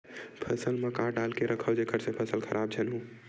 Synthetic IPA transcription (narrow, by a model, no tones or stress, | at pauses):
pʰəsəlmekaʈalkeɾəkʰəwd͡ʒekʰəɾsẽpʰəsəlkʰəɾʔab̚d͡ʒʰənɦũ